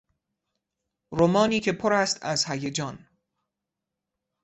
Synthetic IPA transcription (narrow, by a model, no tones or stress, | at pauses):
ɾomɒːniːcʰe̞pʰoɾæst̪ʰæzhæjed͡ʒɒːn